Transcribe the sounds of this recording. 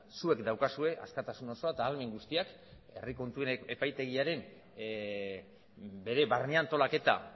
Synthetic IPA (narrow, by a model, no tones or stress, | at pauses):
sue̞kd̪awkasue̞ʔa̰skat̪asuno̞so̞at̪aːlme̞ŋɡust̪iak | e̞̰riko̞nt̪ue̞epajt̪e̞ɣ̞iaɾe̞n | be̞ɾe̞βarniant̪o̞lake̞t̪a̰